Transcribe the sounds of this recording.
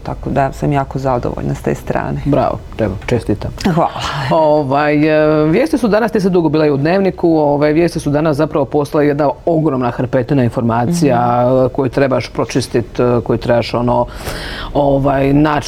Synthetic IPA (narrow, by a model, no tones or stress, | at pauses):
t̪akod̪asamjaːkozad̪o̰ʋo̰ʎnast̪ḛst̪ɾa̰ːnebɾa̰ʋo̰t̪ɾebat͡ʃest̪it̪amxʋalaoʋajʋjeːst̪isud̪anasnisad̪uɡobiːlajud̪ne̞ːʋnikuoʋajʋjest̪isud̪anasapɾaʋo̞po̞st̪alajed̪nao̞ɡɾomnaxaɾpet̪inainfo̞ɾmaːt̪sijako̞jut̪ɾe̞baʃpɾot͡ʃist̪it̪ko̞jut̪ɾe̞baʃo̞no | oʋajna